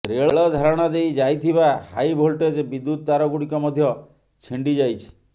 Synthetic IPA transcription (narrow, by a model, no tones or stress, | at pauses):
ɾeɭɭɔd̪ʱaɾɔɽ̃ɔd̪ejd͡ʒajt̪ʰiβahajbʱolʈed͡ʒbid̪ːut̪̚d̪aɾɔɡuɽikɔmɔd̪ʱjɔ | t͡ʃʰiɳɖid͡ʒajt͡ʃʰi̥